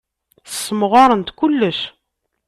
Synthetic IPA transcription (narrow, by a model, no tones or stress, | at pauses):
θə̥sːəmʁɑɾˤənt̪kʊlːəʃ